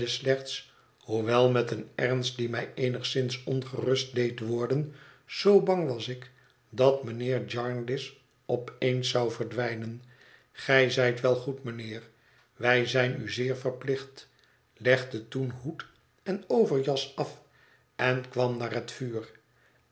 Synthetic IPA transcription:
əslɛχt̪s | huʋɛlˠmɛtənɛʁnst̚dimɛjejnəχsɪnsɔnχərɵst̚dejtʋɔɹdənz̥owbɑŋʋɑsɪk | dɑtmənɪːɹd͡ʒɑɹnlɪs | ɔpejnsɑwvəɹdʋɛjnən | χɛjzɛjtʋɛlˠχutmənɪːr | ʋɛjzɛjnyzɪːɹfərplɪχt | lɛχdətunɦut | ɛnowvəɹjɑsɑf | ɛnkʋɑmnaːɹɦətfyːr

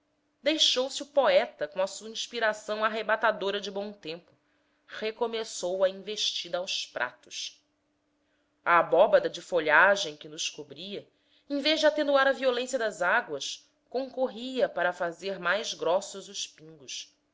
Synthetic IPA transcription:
d̪ejʃowsɪupoɛt̪ɐkõɐsuɐĩʃpiɾasɐ̃w̃aɦebat̪ad̪oɾɐd͡ʒɪbõw̃t̪ẽmpʊ | hekomesowɐĩveʃt͡ʃid̪ɐːwspɾʔa̰t̪ʊ̥ʃ | aːbɔbɐd̪ɐd͡ʒɪfoʎaʒẽj̃kɪnʊʃkobɾiɐ | ẽveʒd͡ʒɪat̪ẽnuaɾɐviolẽsjɐd̪ɐzaɡwɐs | kõŋkoɦiɐpaɾɐfazeɾmajzɡɾɔsʊzʊʃpĩŋɡʊs

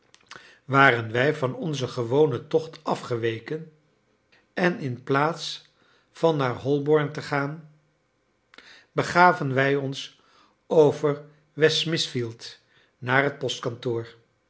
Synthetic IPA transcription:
ʋaːrənʋɛjvɑnɔnzəχəʋownətɔχtʰɑfχəʋejkən | ɛnɪnplaːts | fɑnːaːɹɦɔlˠbɔɹntəχaːn | bəχaːvənʋɛjɔns | owvəɹ | ʋɛsmɪsfilˠt | naːrɦət̚pɔstkɑntʊːɹ

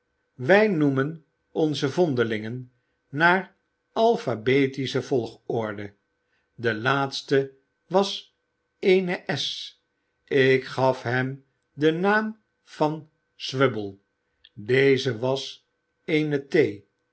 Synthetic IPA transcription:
ʋɛjnumən | ɔnzəvɔndəlɪŋənː | aːɹ | ʔɑlˠfabetisəvɔlˠχɔɹdə | dəlaːtstə | ʋɑs | ejnəʔɛs | ɪkχɑfɦɛm | dənaːm | v̥ɑn | sʋøbəlˠ | dejzəʋɑs | ejnətej

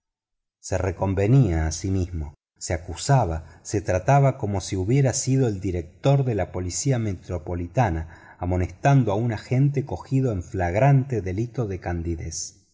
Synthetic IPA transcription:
se̞reko̞mbe̞niaːsimizmo̞ | seakusaβase̞t̪ɾat̪aβako̞mo̞siuβje̞ɾasiðo̞eld̪iɾek̚t̪o̞ɾðe̞lapo̞lisiame̞t̪ɾo̞po̞lit̪anaː | mo̞nest̪and̪oaunaxe̞nt̪e̞ko̞xiðoeɱflaɣɾant̪eðe̞lit̪o̞ðekand̪iðes

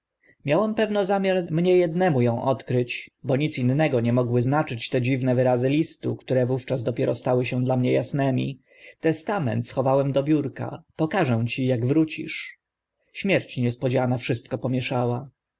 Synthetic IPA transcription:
mʲjawɛmpɛvnɔzamʲjaɾmɲɛjɛd̪nɛmujɔ̃w̃ʔɔt̪kɾɘt͡ɕbɔɲit̪sinːɛɡɔɲɛmɔɡwɘznat͡ʂɘt͡ɕt̪ɛd͡ʑivnɛvɘɾazɘlʲist̪ṵkt̪uɾɛvuft͡ʂazd̪ɔpʲjɛɾɔst̪awɘɕɛ̃d̪lamɲɛjasnɛmʲḭ | t̪ɛst̪amɛ̰nt̪sxɔvawɛmd̪ɔbʲjuɾka̰pɔkaʐɛw̃t͡ɕijaɡvɾut͡ɕḭʂ | ɕmʲjɛɾt͡ɕɲɛspɔd͡ʑanafʂɘst̪̚kɔpɔmʲjɛʂawa

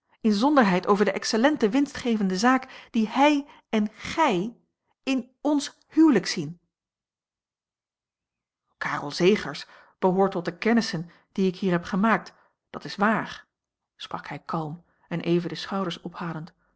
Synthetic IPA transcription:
ɪnzɔndəɹɦɛjtowvəɹdəʔɛksəlɛntəʋɪnstχejvəndəzaːkd̥ihɛj | ɛnχɛj | ɪn | ɔns | hywləksin | kaːrɔ̰lˠzejχəɹs | b̥əɦoːɹtɔt̚dəkɛnəsən | d̥iɪkɦiːɹɦɛpχəmaːk̚t | d̥ɑtɪsʋaːɹ | sprɑkhɛjkɑlˠm | ɛnʔejvədəsχɑwdəɹsɔphaːdənt

